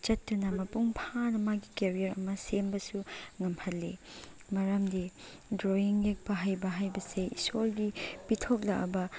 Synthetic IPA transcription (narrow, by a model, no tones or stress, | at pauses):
t͡ʃɐtːunɐmɐpuŋpʰanɐmaɡikeɾijɐɾɐ̰mɐsembɐsuŋɐmhɐlːi | mɐɾɐmdi | dɾoiŋjek̚pɐɦajbɐɦajbɐseḭsolɡipitʰok̚lɐʔɐ̰bɐ